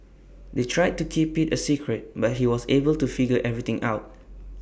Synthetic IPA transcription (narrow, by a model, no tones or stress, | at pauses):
detʰɹajd̚tukʰipitəsikʰɹɛt̚bat̚ɦiwɔsebəltufiɡəʔɛvɹit̪ɪ̃ŋʔa̰ʊt̚